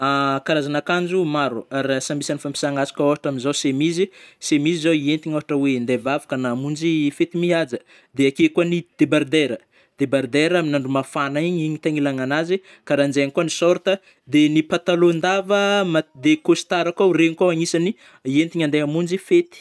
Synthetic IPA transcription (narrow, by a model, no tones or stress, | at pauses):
akaɾazanakand͡ʒumaɾuaɾasambisanifampi̥saŋasḁkəoɦaʈ͡ʂaminzawsemizisemizizawient̪iɲoɦaʈ͡ʂəwend̪evavu̥kənaːmund͡ʒifet̪imiad͡zə | d̪eakekuanid̪̥ebaɾd̪eɾə | d̪ebaɾd̪eɾaminaɳɖ͡ʐumafanaiɲiɲit̪aŋilaŋanazi | kaɾand͡ʒeaɲikunisɔɾt̪ə | d̪enipat̪alond̪avəmad̪ekost̪aɾakareɲikawaŋisani | ient̪iɲand̪eamund͡ʒifet̪i̥